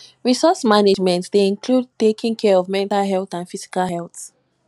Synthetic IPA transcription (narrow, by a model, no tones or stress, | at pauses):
ɹisɔsmaned͡ʒmɛ̃ntdeĩŋkʰlud̚tekĩŋkʰɛɹɔvmɛ̃ntalɦɛlˠθãnfizi̥kalhɛlˠθ